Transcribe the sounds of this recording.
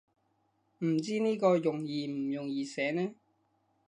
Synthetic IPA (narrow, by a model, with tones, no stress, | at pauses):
m̩˨˩t͡siː˥niː˥kɔː˧jʊ˨˩ŋjiː˨m̩˨˩jʊ˨ŋjiː˨sɛː˨˥nɛː˥